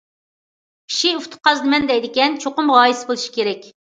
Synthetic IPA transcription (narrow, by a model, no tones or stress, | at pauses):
kʰʲi̥ʃiuft̪ʰʊ̥qɑzd̪ɨmɛnd̪ɛjd̪ɪkʲɛnt͡ʃʰoqʊmʁɑːjisɪbolˠuʃi̥kʲʰeɾɛkʲ